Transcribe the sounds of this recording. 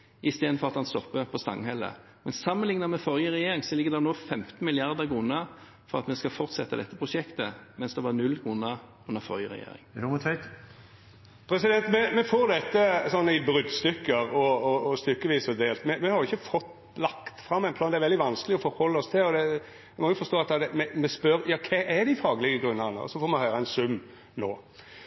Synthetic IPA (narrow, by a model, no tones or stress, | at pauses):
ɪst̪eːd̪nfɔʁɑt̪hɑnst̪ɔpːəpʰɔst̪ɑ̰ŋːhɛlːə̰ | mɛnsɑmːənlɪŋnəmɛfɔʁjəʁɛjeːɾɪŋsɔlɪɡəd̪ɛnoːfɛmt̪n̩mɪlɪɑʁd̪əkʰʁʊːnə | fɔʁɑt̪mɛskɑfɔʁt̪sɛt̪ːəd̪ɛt̪ːəpʰʁʊʂɛkt̪əmɛnsd̪ɛʋɑʁnʉlkʰʁʊnːə | ʉnːəfɔ̰ɾjəʁɛjḛːɾɪ̰ŋdmʊt̪ʰʋɛɪt̪ | pʰɾɛsɪd̪ɛnt̪mɛmɛfoːɾd̪ɛt̪ːəsɔnːəɪbɾʏd̪st̪ʏkːəɾɔɔːst̪ʏkːəʋiːsɔd̪eːlt̪mɛmɛhɑɾjʊɪçːəfɔt̪ | lɑkt̪fɾɑmːɛɪnp̪ʰɑːnd̪ɛæɾɛld̪ɪʋɑnsklɪɔfɔɾhɔlːəɔst̪ʰɪlɔd̪ɛ | mɛɪmɔjʊfɔst̪oːɑt̪̚ɑd̪ɛmɛmɛspœɾjɑːkʰɛʔæɾd̪ɪfɑːɡəlɪɡəɡɾʉnːəʁnə̰ɔ̰sɔfoːɾmɛhœʏɾəɛnsʉmː | noː